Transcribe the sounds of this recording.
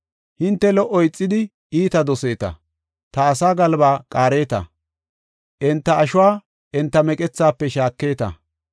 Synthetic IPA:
hɪnt̪ːɛlɔʔɔjt͡sʼːɪd̪ɪ | iːt̪ɐd̪ɔse̞ːt̪ɐ̰ | t̪ɐːsaːɡɐlbaːkʼaːɾe̞ːt̪ɐ̰ | ʔɛnt̪ːɐːʃʊwaː | ʔɛnt̪ːɐmɛkʼɛt͡sːaːpːɛʃaːkːe̞ːt̪ɐ̰

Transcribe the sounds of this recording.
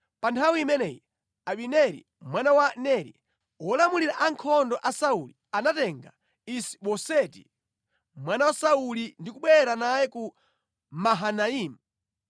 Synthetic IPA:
pantʰawiimɛnɛji | aɓinɛɾḭ | mwanawanɛɾḭ | wɔlamuliɾaʔaŋkʰɔndɔʔasaulianatɛŋɡa̰ | isi̥ɓɔsɛtḭ | mwanawasaulindikuɓwɛɾanajɛku | maɦanaimu

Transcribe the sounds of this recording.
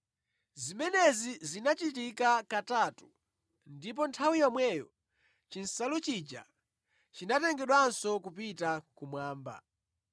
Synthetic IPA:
zimɛnɛzizinat͡ʃit̬ikakataːtu̥ | ndip̬ɔntʰawijɔmwɛjɔ | t͡ʃin̩salut͡ʃid͡ʒa̰ | t͡ʃinatɛŋɡɛɗwansɔkup̬itakumwaːmba̰

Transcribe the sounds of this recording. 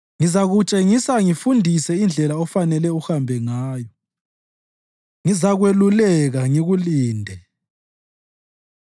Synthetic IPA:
ŋizaɣut͡ʃʼeŋisaŋifundʱisɛind͡ɮʱɛlaɔfanɛlɛuxambʱɛŋaːjɔ | ŋizaɣwelulɛɣaŋiɣuliːndʱɛ

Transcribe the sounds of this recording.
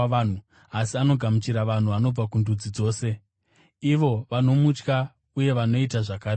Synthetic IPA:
an̤u | asiano̞ɡʱamut͡ʃiɾaʋan̤uano̞b͡vakundud͡zid͡zo̞ːse̞ | iʋo̞ʋano̞mut͡ʃka | uje̞ʋano̞itaʐakaːɾe

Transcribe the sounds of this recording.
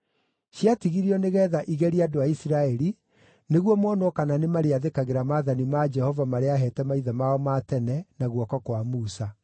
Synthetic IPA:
ɕiatiɣiɾiɔneɣɛːðaʔiɣɛɾiadoaisiɾaɛɾi | neɣwɔmwɔnɔkananemaɾeaðekaɣeɾamaðanimad͡ʒɛhɔvamaɾeaɦɛːtɛmaiðamaɔmatɛnɛnaɣwɔkɔkwamuːsa

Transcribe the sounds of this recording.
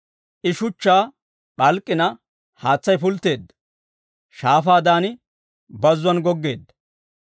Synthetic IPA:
ʔɪʃʊt͡ʃːaː | ɓɐlkʼːɪnɐ | haːt͡sːɐjfʊlt̪ːe̞ːd̪ːɐ̥ | ʃaːfaːd̪aːnɪ | bɐzːʊɐnɡɔɡːe̞ːd̪ːɐ̥

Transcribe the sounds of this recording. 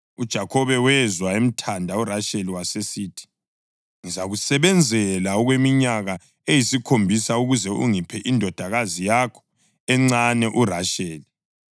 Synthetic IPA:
ud̥ʒ̥ʱakʰɔβɛwɛzwaem̩tʰandʱauraʃeliwasesiːtʰi̥ | ŋizaɣusɛβɛnd͡zʱɛlaɔɣwemiɲaɣa | ejisikʰombʱisauɣuzɛʔuŋipʰɛʔindʱɔd̥ʱaɣazijakʰɔ̥ | ɛŋ͡ǀanɛʔuraʃeːli

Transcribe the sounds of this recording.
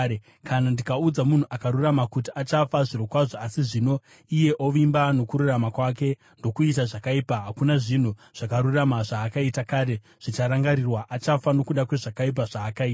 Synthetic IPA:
e | kʰanandikaud͡zamun̤uʔakaɾuramakutiat͡ʃafaʐirokwaʐoasiʐino̞ | ije̞ʔoʋimbano̞kuɾuramakwak̬e̞ | ndo̞kuitaʐakaipaɦakunaʐin̤uʐ̥akaɾuramaʐaːkaitakaːɾe̞ | ʐ̥it͡ʃaɾaŋɡaɾirwaʔat͡ʃafano̞kuɗakwe̞ʐakaip̬aʐaːkaiː

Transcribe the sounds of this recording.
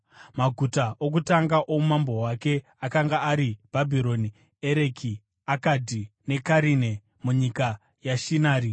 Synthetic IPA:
maɡʱutaʔok̬utaŋɡaʔoumambo̞wake̞ | akaŋɡaːɾib̥ʱabʱiɾo̞ni | eɾe̞kʰi | akadʱine̞kaɾine | muɲika | jaʃinaːɾi

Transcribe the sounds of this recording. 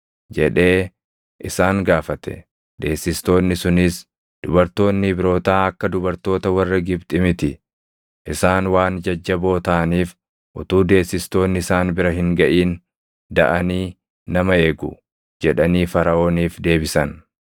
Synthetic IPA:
d͡ʒɛᶑe̞ː | ʔɪsaːŋɡaːfɐt̪ɛ̥̰ | d̪̥e̞ːsːɪst̪o̞ːnːɪsʊnɪs | d̪̥ʊbɐɾt̪o̞ːnːɪbɪɾo̞ːt̪aːɐkːɐd̪ʊbɐɾt̪o̞ːt̪ɐwɐrːɐɡɪbt̪ʼɪmɪt̪ɪ | ʔɪsaːnwaːnd͡ʒɐd͡ʒːɐbo̞ːt̪aːniːf | ʔʊ̰t̪uːd̪e̞ːsːɪst̪o̞ːnːɪɪsaːnbɪɾɐɦɪŋɡɐʔiːn | d̪ɐ̰ʔɐniː | ɐmɐe̞ːɡʊ̰ | d͡ʒɛᶑɐniːfɐɾɐʔo̞ːniːfd̪e̞ːbɪsɐn

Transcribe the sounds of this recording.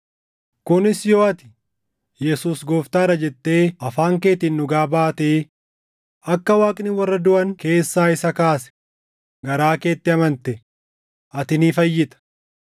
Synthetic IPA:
kʊnɪsjo̞ːɐt̪ɪ̥ | jɛsuːsɡoːft̪aːɾɐd͡ʒɛt̪ːe̞ːɐfaːŋke̞ːt̪ɪnːʊɡaːbaːt̪eː | ɐkːɐwaːkʼnɪwɐrːɐd̪ʊʔɐŋke̞ːsːaːɪsɐkaːsɛ̥ | ɡɐɾaːke̞ːt̪ːɪɐmɐnt̪ɛ | ɐt̪ɪniːfɐjːɪt̪ɐ̥

